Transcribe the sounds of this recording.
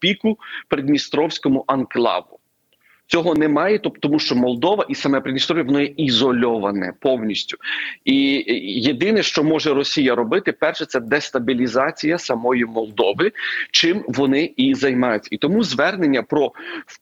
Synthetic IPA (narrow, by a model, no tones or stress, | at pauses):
pʲikʊpɾed̪ʲmʲist̪ɾɔwsʲkɔmʊʔɐnklˠɑ̰ʋʊ | t͡sʲɔɦɔnɛmɑjɛt̪ɔt̪ɔmuʃt͡ʃɔmɔlˠd̪ɔʋɐʔisɐmɛpɾedʲmʲist̪ɾɔʋʲjiʋɔnɔjɛʔizɔlʲɔʋɐnɛ̰pɔwnʲisʲtʲʊ̥ijed̪ɪnɛʃt͡ʃɔmɔʒɛɾɔsʲijɐɾɔbɪt̪ɪpɛrʃɛsɛd̪ɛst̪ɐbʲilʲizɑt͡sʲijɐsɐmɔjimɔlˠd̪ɔʋɪt͡ʃɪmʋɔnɪizɐjmɑjʊt͡sʲːɐit̪ɔmuzʋɛrnenʲːɐpɾɔ